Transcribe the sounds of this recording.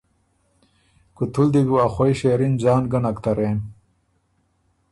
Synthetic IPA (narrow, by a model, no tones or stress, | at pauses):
kut̪ʰuld̪ibuaxojɕeːɾinzaːnɡɐnɐkt̪ɐɾeːn